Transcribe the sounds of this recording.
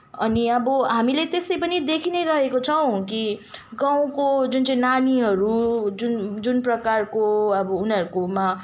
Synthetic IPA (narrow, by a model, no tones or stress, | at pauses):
ʌniʌbʌɦamilet̪esʌjpʌnid̪ekʰineɾʌɦekot͡sʰʌw̃kiɡãw̃kod͡zunt͡sʌĩnaniɦʌɾud͡zund͡zunprʌkarkoʌbʌunʌɾukoma